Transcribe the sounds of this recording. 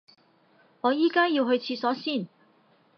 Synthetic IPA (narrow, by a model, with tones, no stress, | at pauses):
ŋɔː˨˧jiː˥kaː˥jiː˧wɦɵ˧ɥt͡sʰiː˧sɔː˨˥siː˥˩n